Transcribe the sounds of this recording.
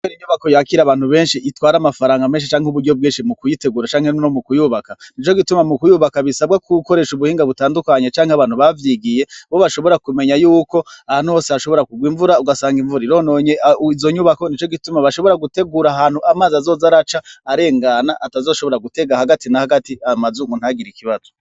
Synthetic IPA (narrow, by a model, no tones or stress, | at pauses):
kweɾiɲuβako̞jaːkiɾaβaːn̥huβe̞ːnʃiʔitwaːɾamafaɾaːŋɡameːnʃit͡ʃaːŋheuβuɾɟob̚ɡiːnʃimukujite̞ɡuːɾat͡ʃaːŋhennomukujuβakanit͡ʃo̞ɡitumamukujuβakaβisabɡakuko̞ɾe̞ʃuβuhiːŋɡaβutaːndukaɲet͡ʃaːŋheaβaːn̥uβavjiɡije̞βoβaʃo̞βo̞ɾakume̞ɲajuːko̞ahaːnuho̞ːsehaʃo̞βo̞ɾakuɡwiːɱvuɾauɡasaːŋɡiɱvuɾiɾo̞ːnoɲe̞izo̞ɲuβako̞nit͡ʃoɡitumaβaʃo̞βo̞ɾaɡute̞ɡuɾaɦaːn̥huamaːzazo̞ːzaɾat͡ʃaːɾe̞ːŋɡanaʔatazo̞ːʃo̞βo̞ɾaɡute̞ɡahaɡatinahaɡatiamazuŋɡun̥haɡiɾikiβazo